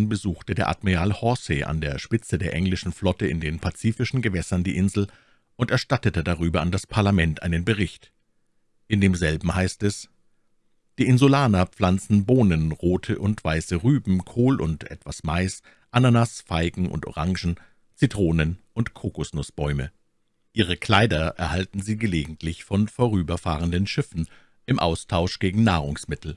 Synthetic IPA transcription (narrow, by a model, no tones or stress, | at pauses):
nbəzuːxtədeːɐʔa̰tmiʁaːlhɔseʔa̰ndeːɐʃpɪt͡sədeːɐʔɛŋlɪʃn̩flɔtəɪndeːnpʰat͡siːfɪʃn̩ɡəvɛsɐndiːʔɪnzl̩ | ʔʊntɛɐʃtatətədaʁyːbɐandaspʰaɐlamɛntʔaɪnənbəʁɪçt | ʔɪndeːmzɛlbm̩haɪstɛs | d̥iːʔɪnzʊlaːnap͡flant͡sn̩boːnənʁoːtʰəʔʊntv̥aɪsəʁyːbm̩kʰoːlʔʊ̰ntʔɛ̰tv̥asmaɪs | ʔananasfaɪɡŋ̩ʔʊ̰ntʔo̰ʁaŋʒn̩ | t͡sitʁ̥oːnənʔʊntkʰoːkʊsnʊsb̥ɔʏmə̰ | ʔiːʁ̞əkl̥aɪdɐʔɛɐhaltn̩ziːɡəleːɡŋ̩tʰlɪçfɔnfoːʁ̞yːbɐfa̰ːʁəndənʃɪfn̩ | ʔɪmʔa̰ʊstʰaʊʃɡ̥eːɡŋ̩naːʁ̞ʊŋsmɪtʰl̩